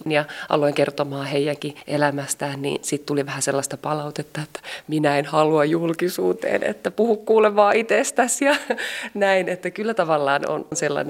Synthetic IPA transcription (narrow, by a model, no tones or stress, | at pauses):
njɑʔɑ̰loiŋkert̪omɑːheijæŋkiʔelæmæst̪æːnnḭːnsit̪t̪uliʋæhæselːɑst̪ɑpɑlɑut̪et̪ːɑet̪ːæ̥minæenhɑluɑjjulkisuːt̪ḛːnḛt̪ːæpuhukkuːleʋɑːit̪est̪æsjɑnæinet̪ːækylːæt̪ɑʋɑlːɑːno̰nnselːɑ̰ne